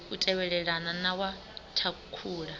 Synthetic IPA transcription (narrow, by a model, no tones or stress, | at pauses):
utʼɛβɛɺɛɺananawa | tʰakʰuːɺa